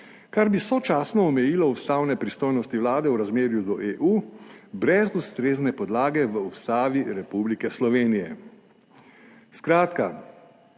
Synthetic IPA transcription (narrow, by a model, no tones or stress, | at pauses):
kaɾbisɔt͡ʃaːsnɔɔmɛjiːlɔust̪awnɛpɾist̪oːjnɔst̪iʋlaːd̪ɛwɾazmeːɾjud̪ɔʔeːʔuːbɾɛzust̪ɾeːznɛpɔd̪laːɡɛʋəust̪aːʋiɾɛpublikɛslɔʋeːnijɛ | skɾaːt̪ka